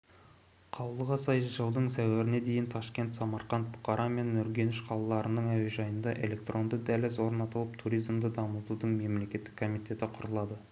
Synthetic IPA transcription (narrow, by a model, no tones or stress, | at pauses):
qʰɑwəlˠəʁɑsɑjʒəlˠd̪əɴsæwæɾɪne̞d̪e̞jɪnt̪ʰɑʃkʲe̞nt̪sɑmɑɾqɑnt̪̚bʊ̥qɑɾʔɑme̞nːɵɾɡʲe̞nɪʃqʰɑlˠɑlˠɑɾənəɴæwe̞ʒɑjənd̪ɑʔe̞le̞k̚t̪ro̞nd̪əd̪ælɪzwo̞ɾnɑt̪əlˠəp̚t̪ʰuɾijzmd̪əd̪ɑməlˠt̪ud̪əɴme̞mle̞kʲe̞t̪ːɪ̥kʰːo̞mijt̪ʰʲe̞t̪ɪqʰʊɾəlˠɑd̪ə